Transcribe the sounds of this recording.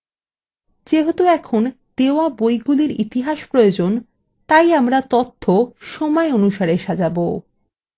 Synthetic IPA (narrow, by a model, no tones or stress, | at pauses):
d͡ʑeɦot̪oɛkʰon | d̪̥eoabojɡuliɾit̪iɦaʃpɾojod͡ʑon | t̪ajamɾat̪ot̪ʰːoʃɔmɔeonuʃaɾeʃad͡ʑabo